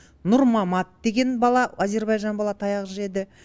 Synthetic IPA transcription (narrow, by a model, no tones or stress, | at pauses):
nʊɾmɑmɑt̪̚d̪e̞ɡʲe̞nbɑlˠɑaze̞ɾbɑjʒɑnbɑlˠɑt̪ʰɑjɑʁʒɪɾe̞d̪ɪ